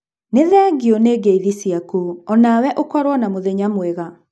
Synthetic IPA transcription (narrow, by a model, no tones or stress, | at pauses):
neðɛɡioneːɡeiðisiakuɔnawɛʔokwɔɾwɔnamoðɛɲamweɣa